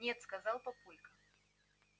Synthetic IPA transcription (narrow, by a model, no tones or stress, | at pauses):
ɛt̪skazalˠpapulʲkɐ